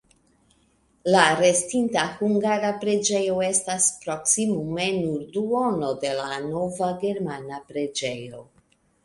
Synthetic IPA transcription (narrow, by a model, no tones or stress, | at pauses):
laɾe̞stintahuŋɡaɾapɾe̞d͡ʒe̞jo̞e̞staspɾo̞ksimume̞nuɾduono̞de̞lano̞vaɡe̞ɾmanapɾe̞d͡ʒe̞jo̞